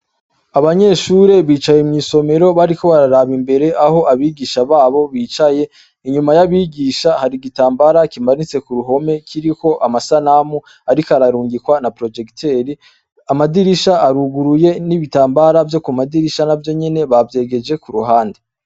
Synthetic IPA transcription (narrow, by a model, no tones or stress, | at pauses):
aβaɲe̞ʃuɾe̞βiːt͡ʃajemŋiːso̞me̞ɾo̞βaɾiko̞βaɾaɾaβimbe̞ɾe̞ʔaho̞ʔaβiɡiːʃaβaːβo̞βiːt͡ʃaje̞ | iɲumajaβiɡiːʃahaɾiɡitaːmbaɾakimanit͡se̞kuɾuɦo̞me̞kʰiɾiko̞ʔamasanamu | aɾikaɾaɾuːŋɡikwanapɾo̞d͡ʒe̞ktʰe̞ɾi | amadiɾiʃaːɾuɡuɾuje̞niβitaːmbaɾavjo̞kumadiɾiʃanavjo̞ɲene̞βavje̞ːɡe̞d͡ʒe̞kuɾuɦaːnde